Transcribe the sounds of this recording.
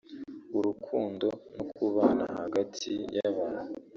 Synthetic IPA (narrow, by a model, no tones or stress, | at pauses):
uɾukʰuːndo̞nokuβana̰haɡatʰijaβaːnu